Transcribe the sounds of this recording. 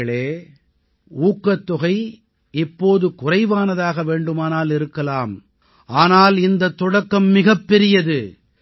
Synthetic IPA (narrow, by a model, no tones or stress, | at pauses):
ɐɭeː | uːkːɐt̪ːʊɣɐɪ | ɪpːoːðɯkʊrɐɪʋaːnɐðaːɣɐʋeːɳɖɯmaːnaːlɪɾɯkːɐlaːm | ʔaːnaːlɪnd̪ɐt̪ːɔɽɐkːɐmːɪɣɐpːɛɾɪjɐðɯ